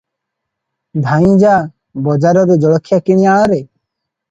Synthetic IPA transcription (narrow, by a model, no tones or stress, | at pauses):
d̪ʱaĩd͡ʒa | bɔd͡ʒaɾɔɾed͡ʒɔɭɔkʰːjakiɽiaɔɾe